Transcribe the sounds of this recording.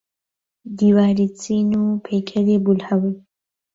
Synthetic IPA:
d̪iwaːɾit͡sinupʰekʰad̪ebulhawij

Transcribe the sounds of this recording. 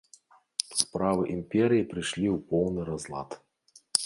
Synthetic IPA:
spɾavɨʔimpʲɛɾʲɨjipɾɨʂlʲiwpɔwnɨɾazlˠa̰t̪

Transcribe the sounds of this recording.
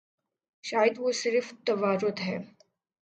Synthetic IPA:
ɕajət̪ʋosɪɾft̪əʋaɾot̪ɦɛ

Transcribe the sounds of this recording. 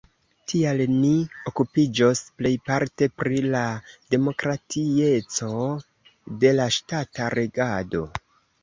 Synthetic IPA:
tʰialnio̞kupid͡ʒosple̞jpaɾte̞pɾilade̞mo̞kɾatʰie̞t͡so̞ | de̞laʃtataɾʔe̞ɡado̞

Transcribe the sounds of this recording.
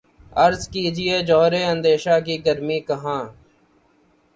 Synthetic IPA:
əɾzkiːd͡ʒɪeːd͡ʒɔːɾeːə̃nd̪eːʃaːkiːɡəɾmiːkəɦãː

